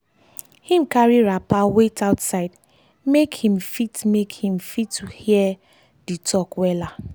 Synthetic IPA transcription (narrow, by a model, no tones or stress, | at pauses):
hĩmkaɹiɹapawetaʊtsaɪd | mekhĩmfitmekhĩmfitːuhiɛ | ditʰɔkwɛla